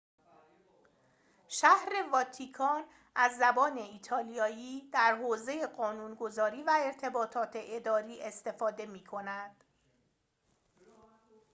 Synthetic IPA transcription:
ʃæhɾe̞vɒːt̪ʰikʰɒːn | æzːæbɒːne̞iːt̪ʰɒːlijɒːjiːd̪̥æɾɦoːze̞jeɢɒːnuːnɡo̞zɒːɾiːvæe̞ɾt̪ʰe̞bɒːt̪ʰɒːt̪ʰe̞ʔed̪ɒːɾiːe̞st̪e̞fɒːd̪e̞miːkʰo̞næd̪̥

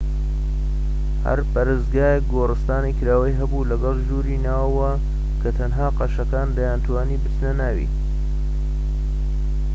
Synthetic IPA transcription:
hɐ̰ɾpɐɾɨzɡaːjek̚ɡoːrɨst̪aːnikɨɾaːwɐjɦɐbulɐɡɐlˠʒuːɾinaːwwɐ | kʰɐt̪ʰɐnɦaːqɑʃɐkaːnd̪ɐjaːnt̪ʰwaːniːbɨt̪nɐnaːwḭː

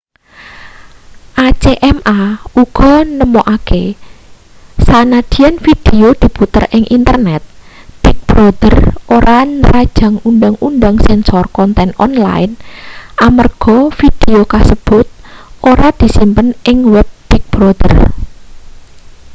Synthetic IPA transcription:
ʔat͡ʃeʔɛmʔauɡ̥ɔ̤nəmoʔake | sanad̪̥i̤jɛnfid̪̥eod̪̥i̤put̪ərʔɪŋʔint̪ərnɛt̪̚t̪ɪk̚b̥ɾɔd̪̥ərʔoɾanəɾad̥ʒ̥a̤ŋunɖaŋunɖ̪aŋsɛnsɔrkɔnt̪ɛnɔnla̰ɪnamərɡ̥ɔfid̪̥eokasəb̥ʊt̪̚ʔoɾad̪̥i̤simpənɪŋwɛb̚t̪ɪk̚b̥ɾɔd̪̥ər

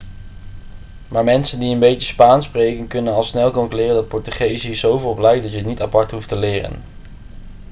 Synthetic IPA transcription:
maːɹmɛnsəndiənbejtəspaːnsprejkənkɵnənɑlˠsnɛlˠkomklɪːrəndɑt̚pɔɹtyχejzizowvəlˠɔplɛjk̚dɑtjəɦətnitapɑɹtɦuftəlɪːrə̰n

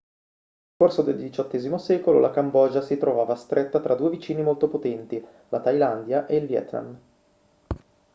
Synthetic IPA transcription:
nelkorsod̪eld̪it͡ʃɔt̪ːɛːzimosɛːkololakambɔːd͡ʒasit̪ɾovaːvast̪ɾʔet̪ːat̪ɾʔad̪uːevit͡ʃiːnimolt̪opot̪ɛnt̪i | lat̪ajland̪jaʔeilvjɛ̰t̪na̰m

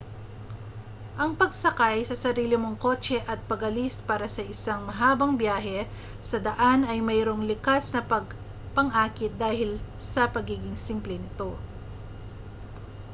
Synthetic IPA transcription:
ʔɐŋpɐɡ̚sɐkajsɐsɐɾiːlɪmo̞ŋko̞ːt͡ʃɛʔɐt̪̚pɐɡɐlispaːɾɐsɐʔɪsaŋmɐɦaːbɐŋbjaːɦɛ | sɐd̪ɐʔanɐjmɛːɾo̞ŋlɪkasnɐpɐɡ̚ | pɐŋʔaːkɪt̪̚d̪aːhɪl | sɐpɐɡiːɡɪŋsimplɛnɪt̪o̞

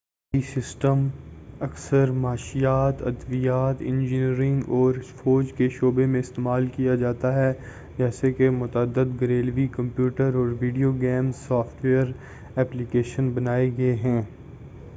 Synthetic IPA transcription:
isɪsʈəmɐksəɾmaːʃijaːt̪ɐ̰d̪ʋijaːt̪ɪ̃nd͡ʒɪniːɾɪ̃ŋɡɔːɾfɔːd͡ʒkeʃoːbemẽɪst̪eːmaːlkijad͡ʒaːt̪aɦɛ | d͡ʒɛːsekemʊt̪əːd̪ːəd̪ɡɐɾeːlʋikɐ̃mpjuːʈəɾɔːɾʋiːɖijoɡɛːmzsɔːfʈʋeːəɾ | ɛːplikeːʃənbɐnaːeɡɐeɦɛ̃ː

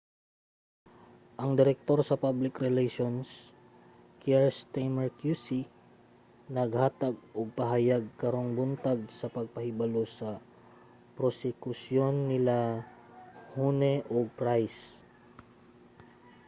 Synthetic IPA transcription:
ʔɐŋd̪ɪɾɛk̚t̪o̞ɾsɐpablɪkɾɛlɛʃons | kɛɛɹst̪ajmɛɹkjusi | nɐɡhaːt̪aɡ̚ʔoɡ̚pɐɦajaɡ̚kɐɾo̞ŋbʊnt̪aɡ̚sɐpɐɡ̚pɐhɪbɐlosɐ | pɾosɛkʊsjo̞nːɪla | hunɛʔoɡ̚pɾajs

